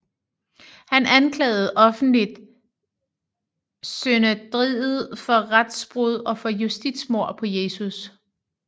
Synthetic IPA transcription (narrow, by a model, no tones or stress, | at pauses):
hænænkʰlɛ̰ːð̞̩ˠʔɒ̽fn̩lid̥ | sønəd̥ʁiːð̩ˠfɒ̽ʁad̥sb̥ʁuð̞ˠɒ̽fɒ̽jusd̥id̥smo̝ɐ̰pʰɒ̽je̝ːsus